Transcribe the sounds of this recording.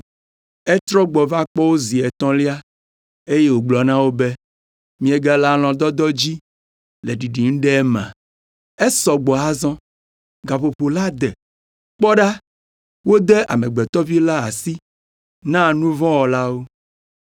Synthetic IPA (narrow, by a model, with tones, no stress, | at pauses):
ɛ˦t̪ɾɔ˦ɡ͡bɔ˨va˦k͡pɔ˦wo˦zi˨ɛ˨t̪ɔ̃˦li˦a˦ | e˦je˦wo˨ɡ͡blɔ˨nã˦wo˦be˦ | mĩ˦e˦ɡa˦la˦l̃ɔ̃˨d̪ɔ˦d̪ɔ˦d͡ʑi˦ | le˨ɖi˨ɖi˨ŋ̩̃˦ɖɛ˦ɛ˦mã̰˨ | ɛ˦sɔ˨ɡ͡bɔ˨a˦zɔ̃˦ | ɡa˨ɸo˨ɸo˨la˦d̪ɛ˨ | k͡pɔ˦ɖa˦ | wo˦d̪ɛ˦ʔa̰˨mɛ̃˨ɡ͡bɛ˨t̪ɔ˦vi˦la˦a˨si˦ | nã˦˨nũ˦vɔ̃˦wɔ˨la˦wo˦